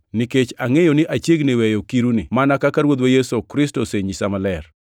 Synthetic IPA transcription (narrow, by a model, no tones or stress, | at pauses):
niket͡ʃaŋejonɪʔat͡ʃjeɡnɪwɛjokiɾunɪmanakakaɾwod̪wejesokɾɪstoseɲisamalɛr